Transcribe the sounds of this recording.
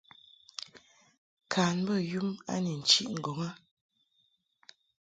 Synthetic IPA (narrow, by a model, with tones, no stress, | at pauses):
kʰaː˨n˦bə˦˨ju˦ma̰˦ni˨n̩˨t͡ʃi˦ʔŋ̩˨ɡɔ˨ŋa˦